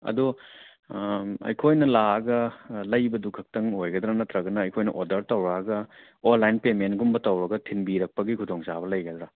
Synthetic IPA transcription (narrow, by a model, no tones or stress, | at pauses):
ɐ̰du | ɐ̰jkʰojnɐlaɐɡɐlɐjbɐdukʰɐk̚tɐŋojɡɐd̪ɾanɐt̪ɾɐɡɐnɐːjkʰojnɐ̰ʔodɐɾtɐwɾaɐɡɐ | onlajnpementɡumbɐtɐwɾɐɡɐtʰinbiɾɐk̚pɐɡikʰudɔŋsabɐlɐjɡɐd̪ɾa